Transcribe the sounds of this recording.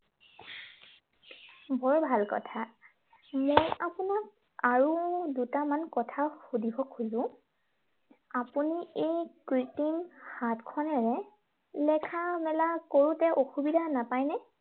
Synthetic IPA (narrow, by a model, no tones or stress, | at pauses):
bɔɹbʱalkɔ̰tʰa | mojapunak̚ | aɹudutamankɔtʰaxudʱibʱɔkʰuzʊ̃ | apuniejkɹitimhatkʰɔnɛɹɛ | lɛkʰamɛlakoɹũtɛʔoxubidʱanapajnɛ